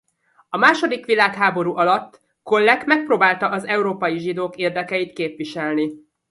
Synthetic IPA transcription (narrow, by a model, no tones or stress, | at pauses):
ɒmaːʃo̞d̪ikʋilaːkɦaːbo̞ɾuʔɒlɒt̪ː | kolːɛkmɛk̚proːbaːlt̪ɒʔɒzɛuɾoːpɒjiʒid̪oːkeːrd̪ɛkɛjit̪keːpʋiʃɛlni